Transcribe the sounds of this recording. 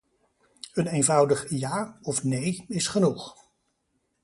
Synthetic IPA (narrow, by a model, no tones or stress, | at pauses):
ənejnvʌwdəχjaːɔfnejɪsχənuχ